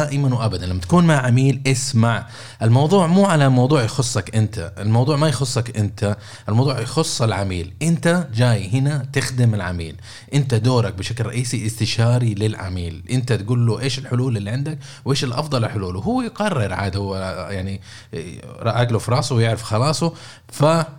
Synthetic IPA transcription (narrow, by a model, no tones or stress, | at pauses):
aːʔɪmanwʔabad̪anlamːat̪ḁkuːnmaʕamiːlʔɪsmaʕ | ʔɪlmɑwðˤuːʕmuːʕalamɑwðˤuːʕjxʊsˤːɑkʔɪnt̪aɪlmɑwðˤuːʕmajxʊsˤːɑkʔɪnt̪ʰa | ʔɪlmɑwðˤuːʕjxʊsˤːɪlʕamḭːlʔɪnt̪ad͡ʒaːjhɪnat̪ɪxd̪ɪmɪlʕa̰mḭːl | ʔɪnt̪ad̪oːɾˤɑk̚bɪʃaklrˤɑ̰ʔiːsiʔɪst̪ɪʃaːɾilɪlʕa̰miːlʔɪnt̪at̪ɡuːlːoʔeːʃɪlħʊluːlɪlːiʕɪnd̪ak | wʔeːʃɪlʔɑ̰fd̪ˤɑlɪlħʊluːlwɦʊwːajɡɑrːɪɾʕa̰ːd̪awjaʕni | ɾˤɑʔaɡlufɾˤɑːsˤʊwjɪʕɾɪfxɑlɑːsˤʊ | fa